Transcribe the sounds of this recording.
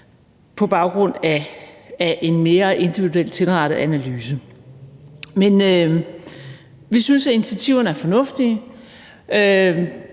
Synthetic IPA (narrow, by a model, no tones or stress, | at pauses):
pʰɒ̽b̥ɑ̈ʊɡ̥ʁɔ̽n̰ææʔe̝nme̝ːɐʔe̝nd̥iʋiduel̰t͡sʰe̝lʁɑ̈ɾ̥ð̩ˠænælyːsə | menø | ʋisynsæinit͡sʰiæt͡sʰiʊ̰ɐnəæɐfɒ̽nɔ̽fd̥i | ø